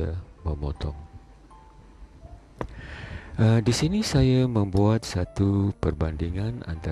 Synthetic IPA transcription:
aməmɔt̪ɔŋ | ʔədisinisajamə̃mbuat̪̚sat̪upərbandiŋãna̰nt̪a

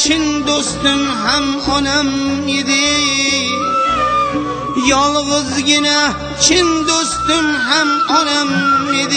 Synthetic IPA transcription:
t͡ʃʰɪnd̪ost̪ɪmɦamɒnamed̪ɪ | jɒlˠʁɨzɡʲɪna | t͡ʃʰɪnd̪ost̪ɪmɦamɒnamed̪ɪ

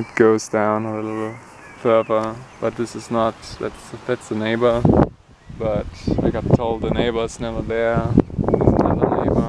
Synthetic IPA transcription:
ɨt̚ɡ̥oʊzdãʊ̃nəlɪlɪ | fɜ˞və˞b̥ʌt̪̚ðɪsɨznət̚ðæ̰tsðætsðəneɪbə˞ | b̥ʌta̰ɪɡɑtʰoʊlˠd̪̚ðɨneɪbə˞z̥nɛvə˞ðə̃˞nðɪsnʌɾəneɪbə˞

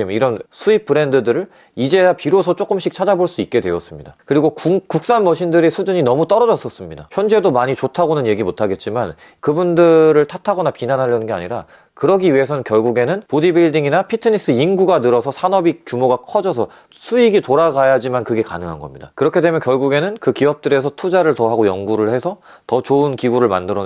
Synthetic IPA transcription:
iɾʌnsʰuip͈ʰːɯɾe̞ndɯdɯɾɯɭ | id͡ʑe̞apiɾosʰʌt͡ɕ͈ok͈ɯmɕʰik̚t͡ɕʰad͡ʑaboɭs͈uit̚k͈e̞dwe̞ʌs͈ɯmɲidakɯɾiɡokukuk̚s͈anmʌɕʰindɯɾisʰud͡ʑuɲinʌmut͈ʌɾʌd͡ʑʌs͈ʌs͈ɯmɲida̰çjʌnd͡ʑe̞domaɲit͡ɕotʰaɡonɯnje̞ɡimotʰaɡe̞t̚t͡ɕ͈iman | kɯbundɯɾɯɭtʰatʰaɡʌnapinanɦaʎjʌnɯnɡe̞a̰ɲiɾa̰ | kɯɾʌɡiɥiɦe̞sʰʌnɯnkjʌɭɡuɡe̞nɯnpodibiɭdiŋinapʰitʰɯnis͈ɯiŋɡuɡanɯɾʌsʰʌsʰanʌbikjumoɡakʰʌd͡ʑʌsʰʌ | sʰuiɡitoɾaɡajad͡ʑimankɯɡe̞ka̰nɯŋɦanɡʌmɲida̰kɯɾʌkʰe̞de̞mjʌnkjʌɭɡuɡe̞nɯnkɯkiʌp̚t͈ɯɾe̞sʰʌtʰud͡ʑaɾɯɭtʌɦaɡojʌŋɡuɾɯɭhe̞sʰʌtʌt͡ɕoɯnkiɡuɾɯɭma̰ndɯɾʌn

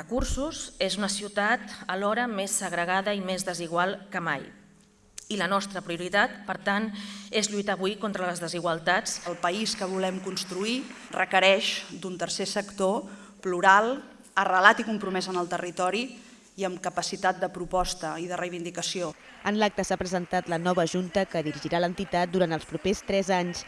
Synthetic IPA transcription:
əkuɾsuzezunəsiwt̪at̪əlɔɾəmesːəɣɾəɣ̞aðəimezðəziɣwalˠkəmaj | ilənɔst̪ɾəpɾiuɾit̪at̪̚pəɾt̪anezʎujt̪aβuikont̪ɾələzðəziɣwəlˠt̪at͡səlˠpəiskəβ̞ulɛmkunst̪ɾui | rəkəɾɛʃd̪unt̪ərsesəkt̪o | pluɾalˠ | ərəlat̪ikumpɾumɛzənəlˠt̪ərit̪ɔɾi | iəmkəpəsit̪at̪̚d̪əpɾupɔst̪əiðərəjβind̪ikəsio | ənlak̚t̪əsapɾəzənt̪at̪lənɔβəːʒunt̪əkəðiɾiʒiɾalənt̪it̪at̪̚d̪uɾant̪əlˠspɾupest̪ɾɛzaɲs

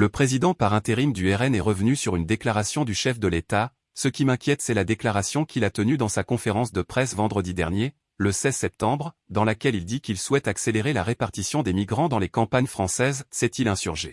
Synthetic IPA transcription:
ləpχezid̪ɑ̃paʁɛ̃t̪eʁimd̪yɛʁɛnɛʁəvnysyʁynd̪eklaʁasjɔ̃d̪yʃɛfd̪əlet̪a | səkʲimɛ̃kʲjɛt̪sɛlad̪eklaʁasjɔ̃kʰʲilat̪ənyd̪ɑ̃sakɔ̃feʁɑ̃sd̪əpχɛsvɑ̃d̪ʁəd̪id̪ɛʁnje | ləsɛzsɛp̚t̪ɑ̃bʁd̪ɑ̃lakʲɛlild̪ikilswɛt̪akseleʁelaʁepaʁt̪isjɔ̃d̪emiɡʁɑ̃d̪ɑ̃lekɑ̃paɲfχɑ̃sɛzsɛt̪ilɛ̃syʁʒe

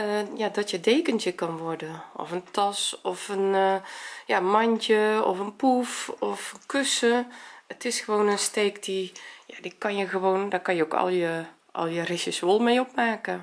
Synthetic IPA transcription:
əjadɔtjədeːkəntəkɔnʋɔrdənʔɔ̰fəntʰɔsɔfən | jaənmantəɔ̰fənpufɔfənkøsəətɪsxəʋoːnənsteːkd̥ijadikɔnjəxəʋoːndakɔnjəokɔ̰lˠjə | ʔɔ̰lˠjərɪsəsolˠmejopmaːkə

